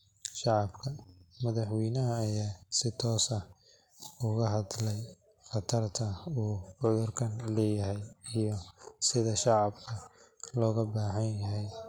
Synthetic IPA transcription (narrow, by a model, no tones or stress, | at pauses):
ʃɑʕɑbkʰɐmɐðɑħwɛjnɐɦɐːjaːsɪt̪ʰɔːsɐ | ʊɣɐɦɑðlɛj | χɑt̪ʰɐrt̪ʰɐuːʕʊðʊrkʰɐnlɛːjɐɦɛjijɞsɪðɐʃɑʕɑbkʰɐ | lɔːɣɐbaːħɐnjɐɦɛj